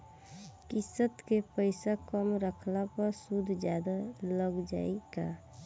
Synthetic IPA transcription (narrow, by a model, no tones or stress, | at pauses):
kɪsət̪kepəɪsakəmɾəkʰlapəɾsud̪ʱd͡ʒjad̪aləɡd͡ʒa̰ːika